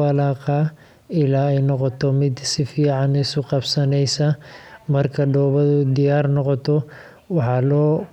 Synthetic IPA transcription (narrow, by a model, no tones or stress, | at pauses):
ɐlɑːqɑː | ɪlaːɛjnɔqɔt̪ʰɔmɪd̪sɪfiːʕɑnɪsʊqɑbsɐnɛjsɐmɐrkʰɐɖɔːβɐðʊd̪ɪjaːrnɔqɔt̪ʰɔ | wɑħɑlɔː